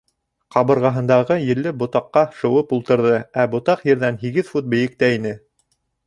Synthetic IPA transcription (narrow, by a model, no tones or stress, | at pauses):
qɑβɤ̆ɾʁɑɦɤ̆nd̪ɑʁɤjɘ̆lːɘbŏt̪ɑqːɑʃɤ̆wɤpulˠt̪ɤ̆ɾðɤæbŏt̪ɑqjɘ̆ɾðænɦiɡɘðfut̪̚bɘ̆jɘ̆k̚t̪æinɘ